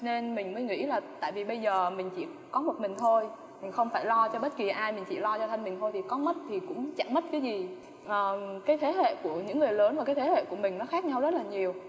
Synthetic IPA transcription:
ne˧nmï˨˩ŋ̟məː˨˦jŋḭ˧˥laː˨˩t̪a̰ː˧˨jvi˨˩ɓə˧jzəː˨˩mï˨˩ŋ̟t͡ɕḭ˧˩ | kɔ˨˦mo˨˩t̚mï˨˩ŋ̟t̪ʰo˧j | mï˨˩ŋ̟xə˧wŋ͡mfaː˧˩jlɔ˧t͡ɕɔ˧ɓə˦˥t̚ki˨˩ʔaː˧jmï˨˩ŋ̟t͡ɕḭ˧˩lɔ˧t͡ɕɔ˧t̪ʰa˧jŋmi˨˩ŋ̟t̪ʰo˧jt̪ʰi˨˩kɔ˨˦mə˦˥t̚t̪ʰi˨˩kʊ̰˧˥ŋ͡mt͡ɕa̰ː˧˥ŋmə˦˥t̚kaː˨˦jzi˨˩ | ʔəː˨˩kaː˨˦jt̪ʰe˨˦hḛ˧˨ku˧˩əɲɨ̰˧˥ŋːɨ˨˩jləː˨˦nvaː˨˩kaː˨˦jt̪ʰe˨˦hḛ˧˨ku˧˩əmï˨˩ŋ̟nɔ˨˦xaː˦˥k̚ɲa˧wzə˦˥t̚laː˨˩ɲi˨˩əw

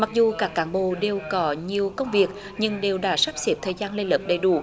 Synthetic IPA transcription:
ma˨˩k̚zu˨˩kaː˦˥kːaː˨˦nɓo̰˧˨ɗe˨˩wkɔ˨˦ɲi˨˩əwkə˧wŋ͡mvi˨˩ək̚ | ɲɨ˧ŋɗe˨˩wɗa̰ː˨˦sa˦˥p̚sɛ˦˥p̚t̪ʰəː˨˩jzaː˧nle˧jləː˨˩p̚ɗə˧˩˨jɗṵ˧˩˦

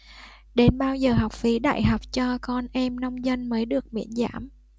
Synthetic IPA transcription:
ɗe˨˦nɓaː˧wzəː˨˩ɦa˨˩wk͡p̚fi˨˦ɗa̰ː˧˨jɦa˨˩wk͡p̚t͡ɕɔ˧kɔ˧nʔɛ˧mnə˧wŋ͡mzə˧nməː˨˦jɗɨ˨˩ək̚mḭ˧˥ənzaː˧˩m

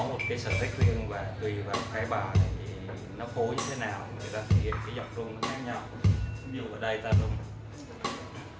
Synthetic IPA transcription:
ɔ˨˦mo˨˩t̚kaː˨˦jsəː˧˩t̪ʰa˦˥k̚hwi˧ənvaː˨˩t̪wi˨˩vaː˨˩˦xaː˨˦jɓaː˧˩n˨˩˨ | nɔ˨˦fo˨˦ɲɨ˧t̪ʰe˨˦naː˨˩wŋɨ˨˩əjt̪aː˧t̪ʰə˧˩hḭ˧˨ənkaː˨˦jzɔ˨˩wk͡p̚lu˧nə˨˦ŋaː˦˥k̚ɲa˧˩w | ɲi˧əwʔəː˧˩ɗə˧jt̪aː˧zʊ˧ŋ͡m

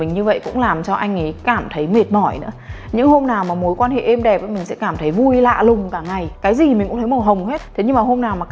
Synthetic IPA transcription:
ï˨˩ŋ̟ɲɨ˧və̰˧˨jkʊ̰˧˥ŋ͡mlaː˨˩mt͡ɕɔ˧ʔa˧jŋ̟ʔə˨˦jkaː˧˩mt̪ʰə˨˦jme˨˩t̚mɔ˧˩jnɨ̰˧˥əɲɨ̰˧˥ŋho˧mnaː˨˩wmaː˨˩mo˨˦jkwaː˧nhḛ˧˨ʔe˧mɗɛ˨˩p̚əː˨˦jmï˨˩ŋ̟sɛ̰˧˥kaː˧˩mt̪ʰə˨˦jvu˧jla̰ː˧˨lʊ˨˩ŋ͡mkaː˧˩ŋa˨˩jkaː˨˦jzi˨˩mi̟˨˩kʊ̰˧˥ŋ͡mt̪ʰmɔ˧˩ɦə˨˩wŋ͡mhe˦˥t̚t̪ʰe˨˦ɲɨ˧maː˨˩ho˧mnaː˨˩wmaː˨˩

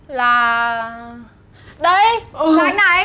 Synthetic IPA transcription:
laː˨˩ | ɗə˧jɣa˨˦jna˨˩j

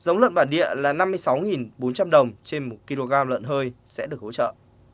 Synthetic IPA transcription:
zə˨˦wŋ͡mlə̰˧˨nɓaː˧˩nɗḭ˧˨əlaː˨˩na˧mːɨ˧əjsa˨˦wŋi˨˩nɓo˨˦nt͡ɕa˧mɗə˨˩wŋ͡mt͡ɕe˧nmo˨˩t̚ki˧lo˧ɣaː˧mlə̰˧˨nɦəː˧jsɛ̰˧˥ɗɨ˨˩ək̚o̰˧˥t͡ɕə̰ː˧˨ʔ

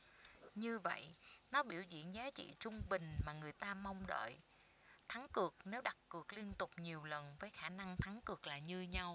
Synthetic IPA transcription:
ɲɨ˧və̰˧˨jʔnɔ˨˦ɓi˧˩əwzḭ˧˨ənzaː˨˦t͡ɕḭ˧˨t͡ɕʊ˧ŋ͡mɓï˨˩ŋ̟maː˨˩ŋɨ˨˩əjt̪aː˧ma˧wŋ͡mɗə̰ː˧˨j | t̪ʰa˨˦ŋkɨ˨˩ək̚ne˨˦wɗa˨˩t̚kɨ˨˩ək̚li˧ənt̪ʊ˨˩k͡p̚ɲi˨˩əwlə˨˩nvəː˨˦jxaː˧˩na˧ŋt̪ʰa˨˦ŋkɨ˨˩ək̚laː˨˩ɲɨ˧ɲa˧w

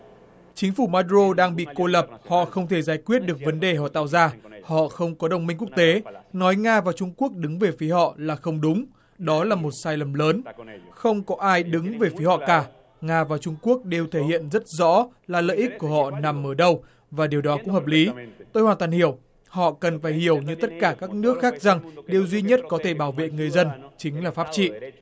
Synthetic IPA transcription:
t͡ɕï˨˦ŋ̟fu˧˩maː˧tzo˧ɗaː˧ŋɓḭ˧˨ko˧lə˨˩p̚hɔ̰˧˨xə˧wŋ͡mt̪ʰe˧˩zaː˧˩jkwi˦˥ət̚ɗɨ˨˩ək̚və˨˦nɗe˨˩ɦɔ̰˧˨t̪a̰ː˧˨wzaː˧hɔ̰˧˨xə˧wŋ͡mkɔ˨˦ɗə˨˩wŋ͡mmi˧ŋ̟ku˦˥ək̚t̪e˨˦nɔ˨˦jŋaː˧vaː˨˩t͡ɕʊ˧ŋ͡mku˦˥ək̚ɗɨ˨˦ŋve˨˩fi˨˦ɦɔ̰˧˨laː˨˩xə˧wŋ͡mɗʊ˨˦ŋ͡m | ɗɔ˨˦laː˨˩mo˨˩t̚saː˧jlə˨˩mləː˨˦nxə˧wŋ͡mkɔ˨˦ʔaː˧jɗɨ˨˦ŋve˨˩fi˨˦hɔ̰˧˨kaː˧˩ | ŋaː˧vaː˨˩t͡ɕʊ˧ŋ͡mku˦˥ək̚ɗe˧wt̪ʰe˧˩hḭ˧˨ənzə˦˥t̚zɔ̰˧˥ | laː˨˩lə̰ː˧˨ʔi˦˥k̟̚ku˧˩əɦɔ̰˧˨na˨˩mːəː˧˩ɗə˧w | vaː˨˩ɗi˨˩əwɗɔ˨˦kʊ̰˧˥ŋ͡mhəː˨˩p̚li˨˦t̪o˧jhwaː˨˩t̪waː˨˩nhi˧˩əw | hɔ̰˧˨kə˨˩nfaː˧˩jhi˧˩əwɲɨ˧t̪ə˦˥t̚kaː˧˩kaː˦˥k̚nɨ˦˥ək̚xaː˦˥k̚za˨˩ŋɗe˨˩əwzwi˧ɲə˦˥t̚kɔ˨˦t̪ʰe˧˩ɓaː˧˩wvḛ˧˨ŋɨ˨˩əjzə˧nt͡ɕï˨˦ŋ̟laː˨˩faː˦˥p̚t͡ɕḭ˧˨

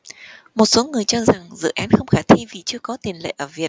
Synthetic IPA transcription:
mo˨˩t̚so˨˦ŋɨ˨˩əjt͡ɕɔ˧za˨˩ŋzɨ̰˧˨ʔa˨˦nxə˧wŋ͡mxaː˧˩t̪ʰi˧vḭ˧˨t͡ɕɨ˧əkɔ˨˦t̪i˨˩ənlḛ˧˨ʔəː˧˩vi˨˩ət̚

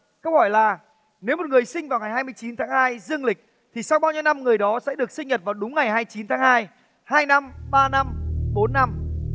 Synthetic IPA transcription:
kə˧whɔ˧˩jlaː˨˩ | ne˨˦wmo˨˩t̚ŋɨ˨˩əjsï˧ŋ̟vaː˨˩wŋa˨˩jhɦaː˧jmɨ˧əjt͡ɕi˨˦nt̪ʰaː˨˦ŋhaː˧jzɨ˧əŋlï˨˩k̚ | t̪ʰi˨˩sa˧wɓaː˧wɲi˧wna˧mŋɨ˨˩əjɗɔ˨˦sɛ̰˧˥ɗɨ˨˩ək̚sï˧ŋ̟ɲə˨˩t̚vaː˨˩wɗʊ˨˦ŋ͡mŋa˨˩jhaː˧jt͡ɕi˨˦nt̪ʰaː˨˦ŋhaː˧j | haː˧jna˧mɓaː˧na˧mɓo˨˦nːa˧m

